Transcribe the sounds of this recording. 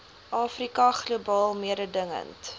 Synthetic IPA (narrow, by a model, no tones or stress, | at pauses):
ʔɑːfrikɐχlubɑːlˠmiəɾədəŋə̰nt